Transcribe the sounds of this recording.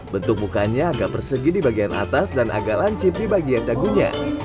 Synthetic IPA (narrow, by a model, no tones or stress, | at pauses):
bənt̪ʊk̚bukaɲaːɡaʔpərsəɡidibaɡianʔa̰t̪asdanʔa̰ɡaʔlaɲt͡ʃɪp̚dibaɡiandaɡuɲa̰